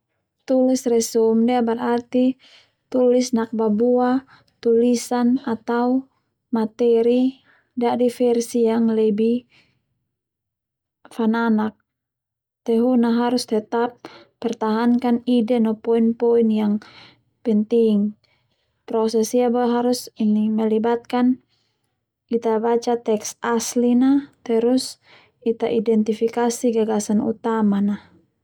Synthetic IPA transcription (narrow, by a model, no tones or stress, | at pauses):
t̪ulisrɛsɔmdiabɛrart̪i | t̪ulisnak̚babua | t̪ulisanat̪au | mat̪ɛɾi | dadifɛrsijaŋlɛbi | fananak̚ | t̪ɛɦunaɦaɾust̪ɛt̪apː | ɛrt̪aɦankanidɛnɔpɔinpɔinjaŋ | pɛnt̪iŋ | pɾɔsɛsiabaɦaɾusinimɛlibat̪̚kan | it̪abat͡ʃat̪ɛksaslinat̪ɛɾus | it̪aʔidɛnt̪ifikasiɡaɡasanṵt̪amana